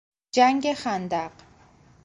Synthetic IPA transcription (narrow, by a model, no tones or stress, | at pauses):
d͡ʒæŋɡexænd̪æɢ